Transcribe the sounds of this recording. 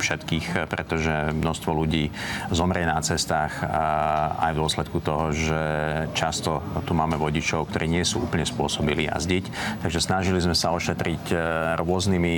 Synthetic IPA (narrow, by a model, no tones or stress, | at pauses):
fʃɛt̪kiːxpɾɛt̪ɔʒɛmnɔst̪ʋɔluɟiːzɔmɾɪɛnat͡sɛst̪aːx | a̰jvd̪ʊɔslɛt̪kut̪ɔɦɔʒɛt͡ʃast̪ɔt̪umaːmɛʋɔɟit͡ʃɔʊkt̪ɔɾʔiːɲɪɛsṵːuːpl̩ɲɛspʊɔsɔbilḭja̰zɟict̪aɡʒɛsnaʒilizmɛsaɔʃɛt̪ɾicɾʊɔznimi